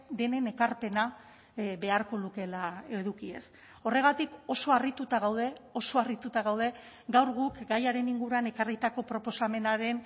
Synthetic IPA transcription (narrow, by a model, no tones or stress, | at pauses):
d̪e̞ne̞ne̞kaɾpe̞na | be̞aɾko̞luke̞lae̞ðukie̞̰s | o̞re̞ɣ̞at̪iko̞so̞arit̪ut̪aɣ̞awð̞e̞o̞so̞arit̪ut̪aɣawð̞e̞ | ɡawɾɣ̞ukɡajaɾe̞niŋɡuɾuane̞karit̪ako̞pɾo̞po̞same̞naɾe̞n